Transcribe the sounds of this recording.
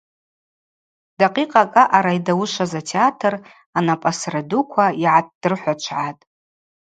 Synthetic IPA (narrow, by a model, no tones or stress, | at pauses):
d̥aqʼiqʼakʼaʔaɾaidawʊʂazatʰeatʰɨr | anapʼasradukʷʰaiʕat̚ʰʼd̥ɨrħʷat͡ʃʷʰʕatʼ